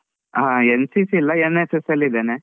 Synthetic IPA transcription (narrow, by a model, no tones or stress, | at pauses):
ɦaensisiːlːɐenesesɐlːid̪ene